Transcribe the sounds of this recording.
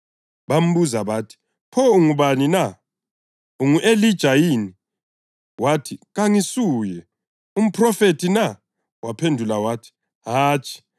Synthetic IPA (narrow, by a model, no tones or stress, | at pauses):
βam̩βuzaβatʰi̥ | pʰɔuŋuβanina | uŋuʔelid̥ʒ̥ʱajini | watʰiɣaŋisuːjɛ | um̩pʰrɔfetʰina | wapʰendʱulawatʰi̥ | ɦaːt͡ʃʼʰi̥